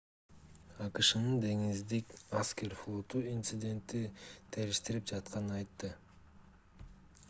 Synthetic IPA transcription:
ɑqɯʃɯnɯnd̪e̞ŋizd̪ikɑskʲe̞ɾflˠo̞t̪uint̪sɨd̪ʲe̞nt̪it̪ʰæɾiʃt̪iɾip̚d͡ʒɑt̪̚qɑnɯɑjt̪ːɯ

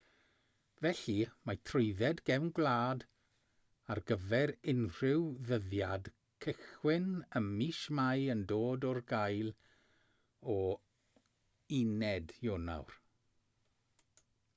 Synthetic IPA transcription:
vɛɬimatʰrʊɨðɛdɡɛwnɡlˠaːd | arɡəvɛɾɪnr̥ɪwðəðjad | kʰɪxwɪnəmiʃmajəndoːdɔrɡajlˠ | ɔ | inɛdjona̰wr

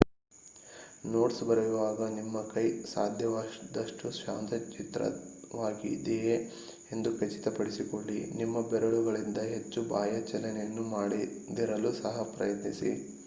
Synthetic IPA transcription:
noːʈsbɐɾɐjuʋaːɡɐnimːɐkɐjsaːd̪ʱjɐʋad̪ɐʂʈuʃa̰ːnt̪ʰɐt͡ʃit̪ɾɐ̰ʋaːɡḭd̪eje | e̞nd̪ukɐt͡ʃi̥t̪ɐpɐɽisikoɭːinimːɐbɛɾɐɭuɡɐɭind̪ɐɦe̞t͡ʃːubaːjɐt͡ʃɛlɛnɛjɐnːumaːɽid̪iɾɐlusɐɦɐpɾɐjɐt̪nisḭ

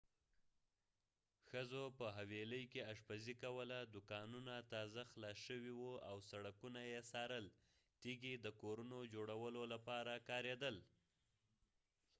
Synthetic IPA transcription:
xəzopəɦaweləjkeaʂpazikawəlad̪ʊkɑnunat̪ɑzaxlɑʃəwiwuawsaɽakunajesɑɾəl | t̪iɡid̪əkoɾunod͡ʒoɽawəlolapɑɾakɑɾed̪əl

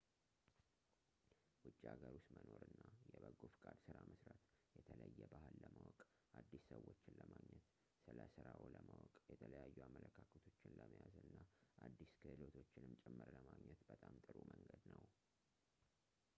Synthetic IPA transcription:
wʊt͡ʃʼːiaɡəɾʊst̪məno̞ɾɨnːajɛbəɡofkʼad̪sɨɾaməsɾət̪jɛt̪ʰələjːɛbahɨlːəmawɔkʼ | ʔad̪ːisːəwːo̞t͡ʃːɪnləmaɡɲɛt̪ | sɨləsɨɾaoləmawɔkʼjɛt̪ʰələjajːuamːələkʰakʰət̪ʰot͡ʃːɪnləməjazɨnːaʔad̪ːiskʰɨʔɨlo̞t̪ʰo̞t͡ʃːɪnɨmt͡ʃʼɛmːɨɾləmaɡɲɛt̪bət̪ʼamt̪ʼɨɾumʔəŋɡəd̪nəw

